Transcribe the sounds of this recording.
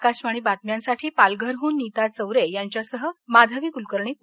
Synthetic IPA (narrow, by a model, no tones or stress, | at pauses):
kaɕʋaɽ̃iːbat̪mjãnsaʈʰiːpalɡʱəɾɦuːnːit̪at͡səwɾejaɲt͡ɕjasəɦəmad̪ʱaʋiːkulkəɾɳiː